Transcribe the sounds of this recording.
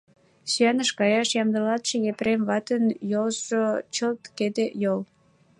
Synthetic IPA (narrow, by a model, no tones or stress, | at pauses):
syænəʃkɑjɑʃjɑmd̪əlɑt̪ʃejepɾemβɑt̪ənjolzʒot͡ɕəlt̪ked̪ejol